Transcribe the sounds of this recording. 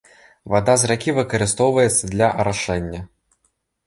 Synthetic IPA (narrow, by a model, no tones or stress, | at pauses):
vad̪azɾakʲivɨkɐɾɨst̪ɔwvɐjɛt̪sːɐd̪lʲɐʔɐɾaʂɛnʲːɐ